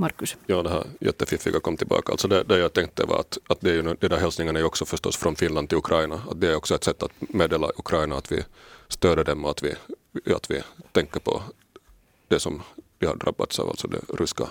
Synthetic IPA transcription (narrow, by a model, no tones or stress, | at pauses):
mɑɾkʉsjɑːd̪ɛɦæ̰ːɾjɛ̰t̪ːəfɪfɪɡakʰɔmːt̪ʰɪlbɑ̰ːkaʔlt̪sɔd̪ɛd̪ɛjaɡt̪ʰɛŋk̚t̪ːə̰vɑ̰ɾa̰t̪at̪̚d̪ɛæɾjʉnd̪ɛd̪æɾɦɛlsnɪŋːənæɾjʉɔksɔfœʂt̪ɔ̰sːfɾɔnfɪnlanɪlʉkʰɾʔaɪjnaat̪̚d̪ɛæɾjɔksɔɛt̪sɛt̪ːat̪meːd̪eːla̰ʔʉkʰɾɑɪnaːt̪vɪ̰st̪øːd̪əd̪ɛmːɔat̪vɪ | a̰t̪vɪ̰t̪ʰɛŋkːəpʰɔ̰ | d̪̥ɛsɔmvɪha̰ɖɾa̰bːa̰t̪sɑ̰v̰t̪sɔd̪ɛ̰ɾʉska̰